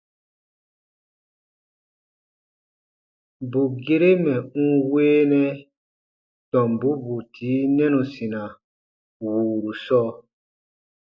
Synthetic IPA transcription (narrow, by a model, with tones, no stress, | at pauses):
bu˨ɡe˦ɾe˦mɛ˨ũ˦weː˦nɛ̃˦ | tɔ̃˨mbu˨˦bu˨tʰiː˨˦nɛ̃˦nũ˨sĩ˨nã˨ | wuː˨ɾu˨sɔː˦